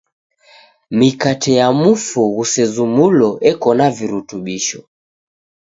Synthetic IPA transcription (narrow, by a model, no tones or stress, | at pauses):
mikatɛjamufuɣusɛzumulɔʔɛkɔnaviɾutuɓiʃɔ